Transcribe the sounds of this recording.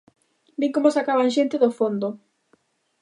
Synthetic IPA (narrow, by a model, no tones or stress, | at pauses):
beŋkomosakaβaŋʃent̪eðofond̪o